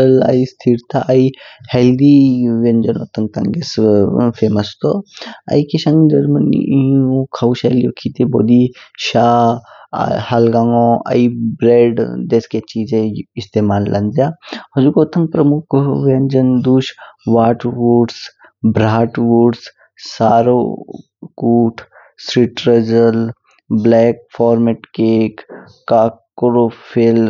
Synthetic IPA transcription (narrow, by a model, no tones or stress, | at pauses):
əla̰ist̪ʰiɾt̪ʰaʔɐiheld̪iʋẽnd͡ʒəno̰t̪ɐŋɡ̚t̪ɐ̃ŋɡesfʰeːməst̪oɐ̰ikiʃãŋɡd͡ʒɐɾmənḭʔkʰauʃeːlijokʰit̪ebo̰d̪iʃaː | halɡaŋõɐ̰ibɾeːɖd̪eːsket͡ʃiːzẽɪst̪eːmaːlːɐnd͡ʒjaɦɐd͡ʒukoːt̪ʰəŋɡ̚pɾəmʊkʰʋend͡ʒənd̪uːʃʋaːʈwuɖs | bɾaːʈwuɖs | saːɾo̰ | kuːʈʰ | sɾiʈɾəd͡ʒəl | blɛːk̚fʰɔːɾmeʈkeːkː | aːkɾopʰel